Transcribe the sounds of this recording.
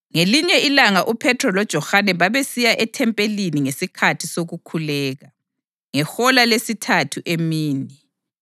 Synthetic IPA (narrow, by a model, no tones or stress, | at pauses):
ŋeliɲɛilaŋaʔupʰɛtʰrɔlɔd̥ʒ̥ʱɔxanɛβaβesijaʔɛtʰɛmpʼeliniŋesikʰatʰisoɣukʰulɛːɣa | ŋɛxɔlalesitʰatʰuʔemiːni